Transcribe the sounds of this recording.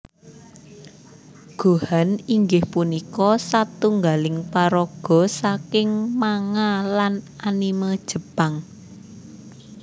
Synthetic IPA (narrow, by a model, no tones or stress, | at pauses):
ɡ̥o̤haniŋɡɪhpunikɔsat̪uŋɡalɪŋpaɾɔɡ̥ɔ̤sakɪŋmaŋalananiməd̥ʒ̥ə̤b̥aŋ